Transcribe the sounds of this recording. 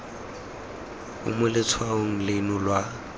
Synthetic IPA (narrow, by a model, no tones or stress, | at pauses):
ʊ̰mʊlɪt͡sʰwaoŋ̩lɪnʊlwa